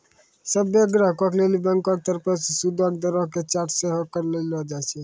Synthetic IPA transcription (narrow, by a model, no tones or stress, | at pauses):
səbeɡɾaɦkɔkʰlelibɛŋkɔɾt̪əɾpət͡ʃsud̪ɔkd̪əɾɔɦket͡ʃaʈʰseɦokəɾlelɔd͡ʒat͡ʃʰɛ